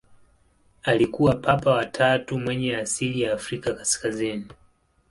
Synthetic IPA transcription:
alikuwapʰapawatʰatumwɛɲɛasilijaːfɾikakaskazini

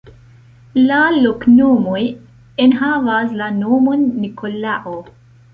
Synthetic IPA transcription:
laloknomoj | enɦavaslanomonːikʰolaʔo

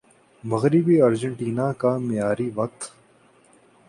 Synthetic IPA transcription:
mɐɣɾɪbiːɐɾd͡ʒə̃ɳʈiːnaːkamɪjaːɾiːʋɐk̚t̪

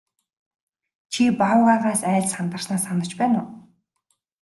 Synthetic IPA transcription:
t͡ɕʰipaʊʁaːʁaːsæːɮsχant̪ə̆rsnaːsanə̆t͡ɕpæːnʊː

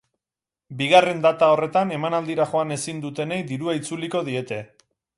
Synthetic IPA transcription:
biɣ̞are̞nd̪at̪ao̞re̞t̪ane̞manald̪iɾaʝo̞ane̞sind̪ut̪e̞ne̞jðiɾuait͡suliko̞ðie̞t̪e̞

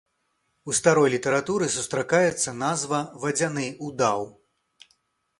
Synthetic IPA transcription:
ust̪aɾɔjlʲit̪ɐɾat̪uɾɨsust̪ɾakajɛt̪sːɐnazvɐvɐd͡zʲanɨud̪aw

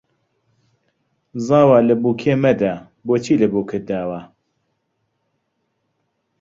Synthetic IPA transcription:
zɑːwaːləbuːkʰeːmɛd̪a | boːt͡ʃʰiːlɨbuːkʰɨd̪aːwaː

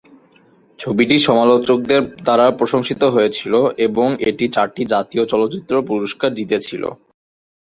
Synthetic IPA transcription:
t͡ɕʰobiʈiʃɔmalot͡ɕok̚d̪eɾd̪aɾapɾoʃoŋʃit̪oɦoet͡ɕʰiloʔeboŋeʈit͡ɕaɾʈid͡ʑat̪iot͡ɕɔlot͡ɕit̪ːɾopuɾoʃkaɾd͡ʑit̪et͡ɕʰilo̰

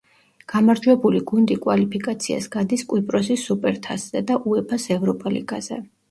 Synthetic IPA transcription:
ɡ̥amaɾd͡ʒwɛbuliɡund̪ikʼwalipʰikʼat̪sʰia̰sɡ̥ad̪iskʼwipʼɾɔsisupʼɛɾt̪ʰasz̥ɛd̪aʔuɛpʰasɛvɾɔpʼalḭɡaz̥ɛ̰

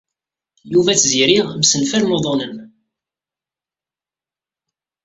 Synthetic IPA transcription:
juvæt͡sːziɾiʁbsənfæɾnoðˤɑnəm

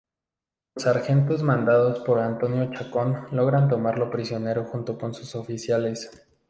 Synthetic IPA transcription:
llosaɾxe̞nt̪o̞zmãnd̪aðospo̞ɾant̪o̞njo̞t͡ʃako̞nlo̞ɣɾant̪̬o̞maɾlo̞pɾisjo̞ne̞ɾo̞xunt̪o̞ko̞nsusofisjale̞s

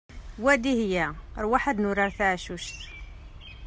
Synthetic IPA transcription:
wæd̪ihjæəɾwaħəd̪nʊɾaɾθʕʃuʃθ

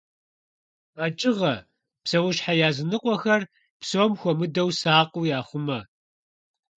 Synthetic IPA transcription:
at͡ʃʼɪʁɐ | psɐwʊʃħajaːzɨnɨqʷʼɔxɐr | psoːmxʷɔmɨdɐwsaːqʼujaːχʷʊmɐ

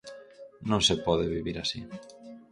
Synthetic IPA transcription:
nõŋsepɔðeβiβiɾasi

